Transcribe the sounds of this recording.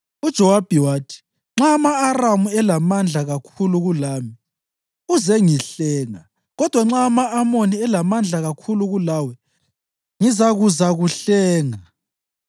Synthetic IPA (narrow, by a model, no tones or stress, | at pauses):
ud̥ʒ̥ʱɔwab̥ʱɛwaːtʰi̥ | ŋ͡ǁaːmaːramuɛlamand͡ɮʱaɣakʰuluɣulaːmi | uzɛŋiɬɛːŋa̰ | ɣɔd̥ʱwaŋ͡ǁaːmaːmoniɛlamand͡ɮʱaɣakʰuluɣulawɛ | ŋizaɣuzaɣuɬɛːŋa